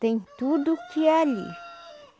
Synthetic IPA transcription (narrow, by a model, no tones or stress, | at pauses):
t̪ẽj̃t̪ud̪ʊkɪaʎḭɾ